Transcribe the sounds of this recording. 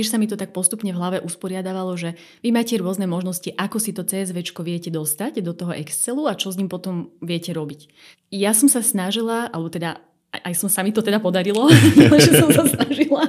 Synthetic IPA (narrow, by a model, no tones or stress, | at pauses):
ɛʃsamit̪ɔt̪ak̚pɔst̪upɲɛvɦlaʋɛʔuspɔɾɪad̪aʋalɔʒɛ | ʋimaːcɛɾʊɔznɛmɔʒnɔsciʔakɔsit̪ɔt͡sɛːɛzʋɛt͡ʃkɔʋɪɛcɛd̪ɔst̪aɟd̪ɔt̪ɔɦɔʔɛkst͡sɛluat͡ʃɔzɲiːmpɔt̪ɔmʋɪɛcɛɾɔbic | jasɔmsasnaʒilaʔa̰lɛbɔt̪ɛd̪a | ʔajsɔmsamit̪ɔt̪ɛd̪apɔd̪aɾilɔlɛʒɛsɔmsasnaʒila